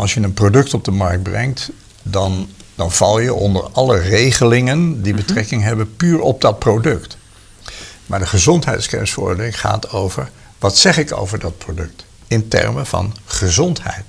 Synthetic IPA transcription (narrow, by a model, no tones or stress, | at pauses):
ʔɑlˠsjənənprodɵktɔb̚dəmɑɹk̚t̚brɛŋt | dɑndɑnv̥ɑlˠjəʔɔndə̰ɹɑlərejχəlɪŋəndibətrɛkɪŋɦɛbənpyːɹɔb̚dɑt̚prowdɵkt | maːɹdəχəzɔntɦɛjtskɛ̰nsfəɹɔ̰ɹdəlɪŋχa̰ːtowvəɹ | ʋɑtsɛχɪko̰wvəɹdɑt̚prodɵk̚t | ɪntɛ̰ɹməvɑ̰nχəzɔntɦɛ̰jt